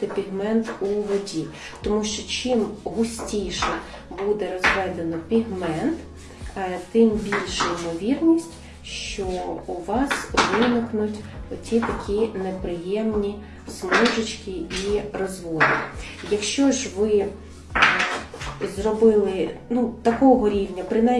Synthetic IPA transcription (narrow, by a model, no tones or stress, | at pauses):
t̪ɪpʲiɦmɛnt̪uʋɔdʲi | t̪ɔmuʃt͡ʃɔt͡ʃɪmɦʊsʲtʲijʃɛ | bud̪ɛɾɔzʋɛd̪enɔpʲiɦmɛnt̪ | t̪ɪmbʲilʲʃɛimɔʋʲirnʲisʲtʲ | ʃt͡ʃɔuʋɑsʋɪnɪknʊtʲɔtʲit̪ɐkʲʰinepɾɪjɛmnʲi | smɔʒɪt͡ʃkʲiirɔzʋɔd̪ɪ | jɐkʃt͡ʃɔʒʋɪ | zrɔbɪlˠɪnut̪ɐkɔɦɔɾʲiwnʲɐpɾɪna